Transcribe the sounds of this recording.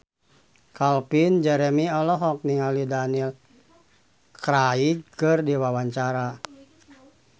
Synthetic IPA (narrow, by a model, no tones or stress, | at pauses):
kalpind͡ʒɛɾɛmiɔlɔɦɔk̚niŋalidanil | kɾaiɡ̚kɨrdiwawaɲt͡ʃaɾa